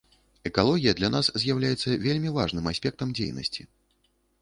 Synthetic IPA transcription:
ɛkalˠɔɣʲijɐd̪lʲɐnaszʲjawlʲajɛt̪sːɐvʲelʲmʲivaʐnɨmasʲpʲɛk̚t̪ɐmd͡zʲḛjnɐ̰sʲt͡sʲi

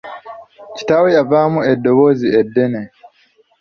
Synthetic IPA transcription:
ci̥taweavamuedːoβoziedːene

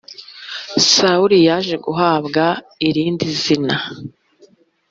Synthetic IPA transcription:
sauɾijaʒe̞ɡuɦaːbɡa | iɾiːndizina

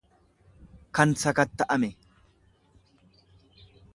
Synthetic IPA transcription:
kɐnsɐkɐt̪ːɐʔɐmɛ

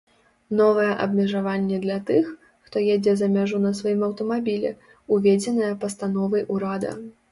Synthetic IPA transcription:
nɔvɐjɛʔɐbmʲɛʐavanʲːɛd̪lʲɐt̪ɨx | xt̪ɔjed͡zʲɛzɐmʲaʐunɐsvajimɐwt̪ɐmabʲilʲɛ | uvʲed͡zʲɛnɐjɛpɐst̪anɔvɐjʔuɾad̪ɐ̰

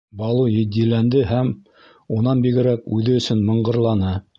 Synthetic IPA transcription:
bɑlˠujɘ̆d̪ilænd̪ɘɦæm | unɑnbiɡɘ̆ɾækʉðɘɵ̆sɵnmɤ̆ɴɢɤ̆ɾlˠɑnɤ

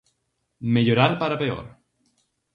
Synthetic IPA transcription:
meʎoɾaɾpaɾapeo̰ɾ

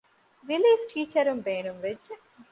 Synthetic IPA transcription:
ɾɪliːfʈʰiːt͡ʃəɾumbeːnumʋɪd͡ʒ

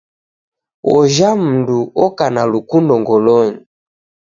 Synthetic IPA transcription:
wɔʒam̩nduɔkanalukundɔŋɡɔlɔɲi

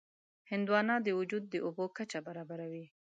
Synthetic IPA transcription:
hɪnd̪wɑnɑd̪əwʊd͡ʒud̪̚ːəʔobokat͡ʃabaɾɑbaɾawi

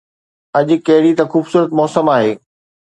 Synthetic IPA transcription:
ɐʄʊ̆kɐɦɪɽit̪ɐxuːbsuːɾət̪mɔːsəmaːɦeː

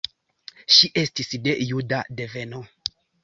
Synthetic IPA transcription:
ʃiʔe̞stisde̞judadeveno

